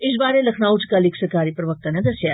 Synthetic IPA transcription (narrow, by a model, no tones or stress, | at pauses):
ɪsbaːɾelɐkʰnaːut͡ʃkaːliksəɾkaːɾipɾəʋək̚t̪anẽd̪ɐsjaː